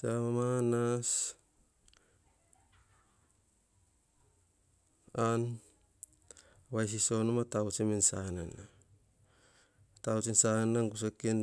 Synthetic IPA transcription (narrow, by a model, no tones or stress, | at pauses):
samamanas | an | wajs̬iso̞nomatawt͡ʃemensanana | tawt͡ʃensanaŋɡus̬aken